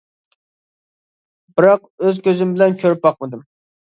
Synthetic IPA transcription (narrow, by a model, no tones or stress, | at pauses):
bɨɾɑqøzkʲʰøzymbɪlɛnkʲʰøɾyp̚bɑq̚mɨd̪ɨm